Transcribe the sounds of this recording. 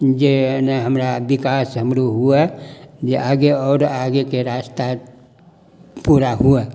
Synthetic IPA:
d͡ʒenaɦəmɾabikasɦəmɾuɦuɛd͡ʒeʔaɡeɔːɾaɡekeɾast̪a | puɾaɦuɛ

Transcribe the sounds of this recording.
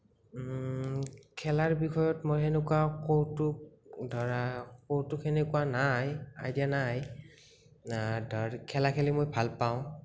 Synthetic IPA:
kʰɛlaɹbixʰɔjɔtmojxenʊkuakowtʊdʱɔɹakowtʊkenekuanaja̰jdianaj | dʱɔɹkʰɛlakʰɛlimojbʱalpaʊ̃

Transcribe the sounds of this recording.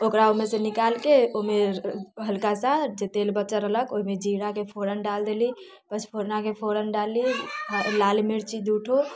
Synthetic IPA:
okɾaomesə̃nikalkeomeɦəlkasãd͡ʒet̪elbətːt͡ʃəɾələkoɦimed͡ʒiɽakepʰoɾənɖald̪eli | pət͡ʃʰpʰoɾnakepʰoɾənɖalːilalmiɾt͡ʃid͡ʒuʈʰo

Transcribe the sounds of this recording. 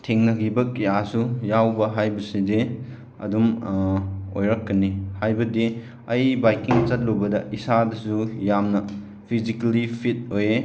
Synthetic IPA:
tʰeŋnɐɡibɐk̚jasujawbɐɦajbɐside | ɐ̰dum | o̰jɾɐkːɐnihajbɐdi | ɐjbajkiŋt͡ʃɐt̚lobɐdɐʔisadɐsujamnɐ | pʰizikɐlipʰit̚oje

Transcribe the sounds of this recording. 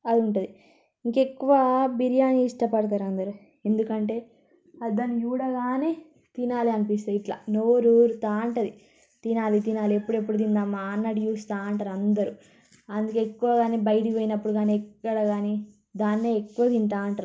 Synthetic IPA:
ɐd̪iuɳʈud̪i | iŋkekːuʋɐbiɾijaːniːʂʈɐpɐɽɐt̪̬aːɾɐnd̪ɐɾu | e̞nd̪ukɐɳʈe̞ː | ɐid̪aːnːijuːɽaːɡaːneː | t̪inaːliɐnipist̪ɐiʈla̰noːɾuɾut̪aːɐɳʈɐd̪i | t̪inaːlit̪inaːliepːuɽepːuɽud̪ind̪aːmːaːnːɐɽijuːst̪aːɐɳʈaːɾɐnd̪ɐɾu | ɐnd̪ukeekːuʋaːɡaːneːbɐjʈiʋeːjinɐpːuɽuɡaːneɛkːɐɽɐɡaːni | d̪aːnːeekːuʋɐd̪int̪aːɐɳʈaːɾ

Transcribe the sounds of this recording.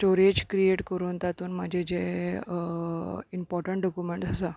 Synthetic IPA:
sʈoɾed͡ʑkɾieʈkəɾuːnt̪at̪uːnmad͡ʑʱed͡ʑe | impɔɾʈəɳʈ̚ɖɔkjumẽɳʈd͡zʱasa

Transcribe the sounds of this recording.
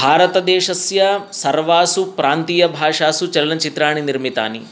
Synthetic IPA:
bʱaːɾɐt̪ɐd̪ɛːʂɐsjɐsɐɾʋaːsupɾaːnt̪iːjɐbʱaːʂaːsut͡ʃɐllɐnt͡ʃit̪ɾaːɳiniɾmit̪a̰ːnḭ

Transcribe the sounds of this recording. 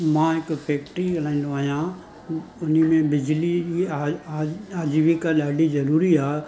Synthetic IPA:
mãːɪkpʰeːkʈɾikɐl̤ãːĩnd̪oaːɦjãː | ʊnimẽbɪd͡ʒlii | aːd͡ʒʋikalaːɖizɐɾuːɾiaː

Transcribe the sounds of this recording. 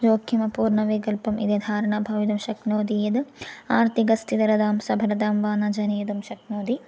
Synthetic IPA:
d͡ʒoːkʰːimɐpuːɾɳɐʋeːkɐlpɐmʔḭd̪ed̪ʱaːɾɐɳabʱɐʋid̪ɐmʃɐknoːd̪ijed̪aːɾt̪iɡɐst̪id̪ɐɾɐd̪aːmsɐbʱɐɾɐd̪aːmʋaːnɐd͡ʒɐneːd̪ɐmʃɐknoːd̪i

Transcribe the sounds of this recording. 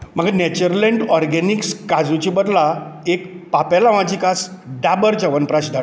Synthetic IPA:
m̤əɡanɛt͡ɕəɾleɳʈɔɾɡɛnikskad͡zut͡ɕibəd̪laekpapɛlaʋãt͡ɕikasɖabəɾd͡ʑəʋənpɾaɕd̪ʱa

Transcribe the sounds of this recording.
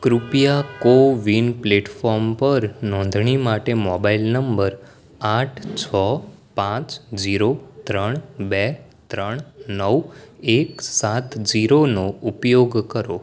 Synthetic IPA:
kɾupjakoʋinpleʈfɔɾmpəɾnɔ̃nd̪ʱɳimaʈemɔbailnəmbəɾ | aʈʰt͡ʃʰɔpãt͡ʃd͡ʒiɾot̪ɾəɳ̃bɛt̪ɾəɳ̃nəweksat̪d͡ʒiɾonoupjoɡkəɾo

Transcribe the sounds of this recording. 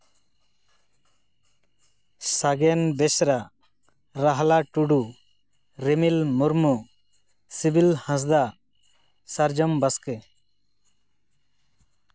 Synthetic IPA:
saɡɛnbɛsɾa | ɾaɦlaʈuɖu | ɾemilmuɾmu | sibilhãs̬d̪a | saɾd͡ʒɔmbaskɛ

